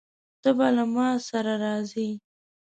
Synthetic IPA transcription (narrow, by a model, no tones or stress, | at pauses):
zəbalamɑsaɾaɾɑzi